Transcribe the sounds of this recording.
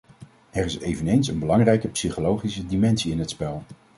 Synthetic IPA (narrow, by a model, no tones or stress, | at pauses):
ɛɹɪsejvənejnsənbəlɑŋrɛjkəpsiχolowχisədimɛnsiɪnɦətspɛlˠ